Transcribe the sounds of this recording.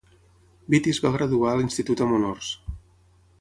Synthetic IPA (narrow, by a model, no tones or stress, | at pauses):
bit̪izβaɣ̞ɾəðuaəlinst̪it̪ut̪əmunɔrs